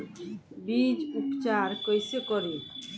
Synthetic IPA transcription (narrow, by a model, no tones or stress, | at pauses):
bid͡ʒupt͡ʃaɾkɔjsekɔɾi